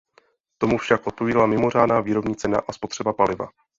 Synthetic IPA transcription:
t̪o̞mufʃakʔo̞t̪̚po̞viːdalamɪmo̞r̝aːdnaːviːɾo̞bɲiːt͡sɛna̰ʔaspo̞t̪r̥ɛbapalɪva̰

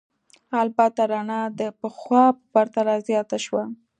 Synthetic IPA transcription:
albat̪aɾanad̪əpəxwɑpəbaɾt̪alazjɑt̪aʃwa

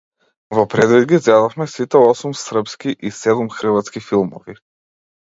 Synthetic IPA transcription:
vɔpɾɛd̪vid̪ɡʲizɡɛd̪afmɛsit̪ɛɔsumsr̩pskiʔisɛd̪umxr̩vat̪skifilˠmɔ̰vi

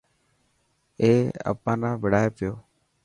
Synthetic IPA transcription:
eːə̰pãːnãːbəɽaːeːpɪjoː

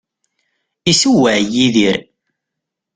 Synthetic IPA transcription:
isuwəʕjiðiɾ

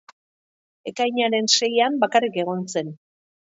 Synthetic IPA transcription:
e̞kajɲaɾe̞nse̞jambakarike̞ɣ̞o̞nse̞n

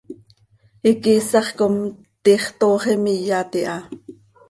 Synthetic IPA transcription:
ikisɑχkom | t̪iχt̪oːχimijɑt̪iʔɑ

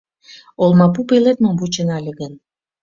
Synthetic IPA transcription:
olmɑpupelet̪mombut͡ɕə̆nɑlʲəɣən

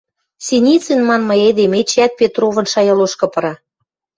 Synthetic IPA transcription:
sinʲit͡senmɑnmɤ̆ed̪emet͡ɕæt̪̚pet̪rovɤ̆nʃɑjɑloʃkɤ̆pɤ̆ɾɑ

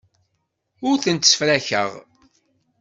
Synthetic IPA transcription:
ʊɾθənt̪sfɾæçə̰ʁ

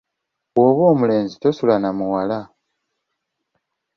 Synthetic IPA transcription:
woβo̞ːmule̞ːnzitosulanamuwala

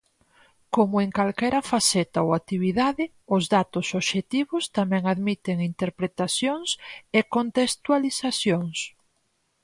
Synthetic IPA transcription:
komʊeŋkalkɛɾɐfasɛt̪aoat̪iβiðaðɪ | ʊzðat̪ʊsoβʃet̪iβʊst̪amɛ̃ŋaðmit̪eŋint̪eɾpɾet̪asjoŋsekont̪est̪walisasjoŋs

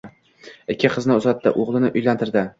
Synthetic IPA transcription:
ɪkʲʰːɪqʰɨznɪʊzat̪ʰːɪ̰ʔoʁlˠɪnɪʔʊjlant̪ʰɪɾd̪ɪ

